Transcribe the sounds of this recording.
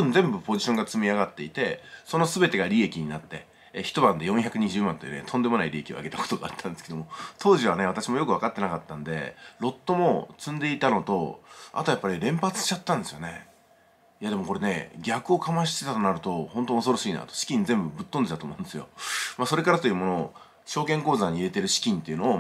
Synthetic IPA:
ɯnd͡zẽ̞mbɯ̟po̞ʑiɕoŋɡat͡sɨmʲiaɡat̪ːe̞it̪e̞so̞no̞sɨbe̞t̪eɡaɾʲie̞kʲiɲ̟inat̪ːe̞ | çi̥t̪o̞bãnd̪e̞jõçʲakɯ̟ɲ̟iʑɨːmãnt̪ḛnḛt̪ʰõ̞nd̪e̞mo̞naiɾʲie̞kʲio̰a̰ɡe̞t̪ako̥t̪oɡa̰at̪ʰːãnd̪esked̪omot̪ʰo̞ːʑiβane̞βat̪aɕimo̞jo̞kɯβ̞akat̪ːe̞nakat̪ːãnd̪e̞̰ɾo̞t̪ːo̞mo̞t͡sɨ̃nd̪e̞it̪ano̞t̪o̞̰a̰t̪o̞japːaɾʲiɾẽ̞mpat͡sɨ̥ɕt͡ɕat̪ːãnd̪e̞sɨjo̞ne | jad̪e̞mo̞ko̞ɾe̞ne̞ɡʲakɯ̟o̞kamaɕ̬i̥t̪e̞t̪at̪o̞naɾɯ̟t̪o̞hõnt̪o̞oso̞ɾo̞ɕiːna̰t̪oɕi̥kʲĩnd͡zẽ̞mbɯ̟bɯ̟t̪ːond̪et̪at̪oːmo̞ɯ̃nd̪esɨjo̞̰maso̞ɾe̞kaɾat̪o̞jɯ̟mo̞noː | ɕo̞ːkẽ̞ŋkoːzaɲ̟iːɾet̪e̞ɾɯ̟ɕi̥kʲĩnt̪e̞iɯ̟noː

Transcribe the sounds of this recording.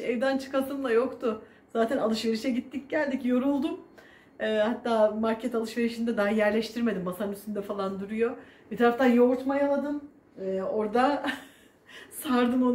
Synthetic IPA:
ejd̪ænt͡ʃʰɯ̥kat̪ɯmlˠajo̞kt̪ʊ | z̥aːt̪ʰɛnalˠɯʃve̞ɾiʃɛɟit̪ːic̚ɟælʲd̪icjo̞ɾulˠd̪um | ɛːhat̪ːaːmaɾcʰɛt̪ʰalˠɯʃve̞ɾiʃind̪ɛd̪aɦajæɾlʲɛʃt̪ʰiɾme̞d̪imbasanyst̪ynd̪ɛfalˠand̪uɾujo̞bit̪ʰaɾaft̪anjouɾt̪majaad̪ɯm | ɛːo̞ɾd̪a | saɾd̪ɯmo

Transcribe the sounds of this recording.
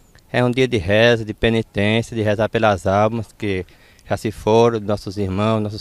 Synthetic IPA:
ɛũd̪iɐd̪ɪɦɛzɐd̪ɪpenit̪ẽsjɐd̪ɪɦezapelɐzawmɐskɪ | ʒ̥asɪfoɾnɔsʊziɾmɐ̃w̃znɔs̬ʊs

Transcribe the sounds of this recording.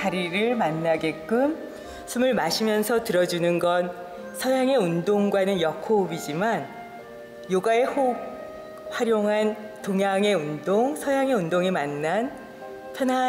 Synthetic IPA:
aɾiɾɯɭmanːaɡe̞k͈ɯm | sʰumɯɭmaɕʰimjʌnsʰʌtɯɾʌd͡ʑunɯnɡʌn | sʰʌjaŋe̞undoŋɡwanɯnjʌkʰobid͡ʑiman | joɡae̞hok̚ | ɸwaɾjoŋɦan | toŋjaŋe̞undoŋsʰʌjaŋe̞undoŋimanːan | pʰjʌna

